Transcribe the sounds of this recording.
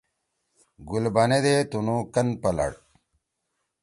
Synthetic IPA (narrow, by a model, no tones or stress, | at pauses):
ɡulbɐned̪et̪unukɐnpɐlɐ̰ɽ